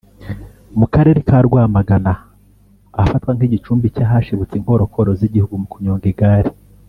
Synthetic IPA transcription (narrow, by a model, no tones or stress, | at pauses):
mukaɾe̞ɾekaɾɡwaːmaɡanaː | fatkwaŋ̥iɟit͡ʃuːmbicaɦaʃiβut͡siŋ̥o̞ːɾo̞kʰo̞ɾoziɟihuɡumukuɲoːŋɡiɡaːɾi